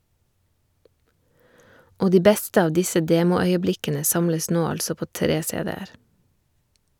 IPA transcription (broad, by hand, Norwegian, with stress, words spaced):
ˈoː ˈdiː ˈbɛstə ˈɑːʋ ˈdɪsə ˈdeːmʊˌœʏəˌblɪkənə ˈsɑmləs ˈnoː ˈɑʎsɔ ˈpoː ˈtɾeː ˈseːˌdeːəɾ